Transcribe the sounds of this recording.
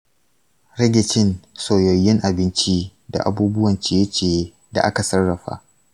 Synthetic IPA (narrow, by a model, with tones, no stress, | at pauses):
ɾɛ˦ɡʲɪ˨t͡ʃɪ˦nsoː˨jɔ˨jːɪ˦ŋʔa˨bɪ˦nt͡ʃi˦da̰˨ʔa̰˨buː˦bʊ˦wɐ˨nt͡ʃe˦jɐ˦t͡ʃeː˦˨ | da̰˨ʔa˦ka˨sɐ˦rːɐ˨ɸa̰ː˦ʔ